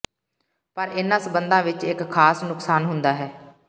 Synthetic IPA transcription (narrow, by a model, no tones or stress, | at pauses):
pəɾɪnãːsəbənd̪ãːʋɪt͡ʃɪkkʰːaːsnʊksaːnɦʊ̃nd̪aːɦɛː